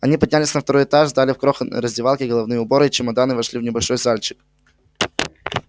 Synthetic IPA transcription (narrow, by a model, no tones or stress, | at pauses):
ɐnʲipɐdʲnʲælʲɪsʲnəft̪ɐɾojɪt̪aʐzd̪alʲɪfkɾoxən̰ɾəzʲdʲɪvalˠkʲɪɡəlˠɐvnɨjəʊbo̞ɾɨt͡ɕɪmɐd̪anɨvɐʂlʲivnʲɪbɐlʲʂo̞jzalʲt͡ɕɪ̥k